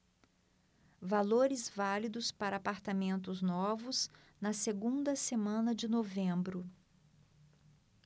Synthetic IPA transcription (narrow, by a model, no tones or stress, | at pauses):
valoɾɪzvalid̪ʊspaɾɐaːpaɾt̪amẽnt̪ʊznɔvʊz | nɐseɡũnd̪ɐsemɐ̃nɐd͡ʒɪnovẽmbɾʊ